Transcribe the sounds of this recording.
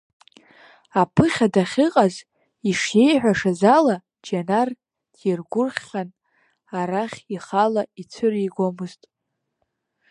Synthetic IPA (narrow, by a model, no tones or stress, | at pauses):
apʰɨχʲadaχʲɪqʼaz | iʂje̞jħʷᶣaʂazala | d͡ʒanar | d̥jirɡʷʊrχʲːan | aɾaχʲiχalait͡sʷʰɨriɡʷomɨztʼ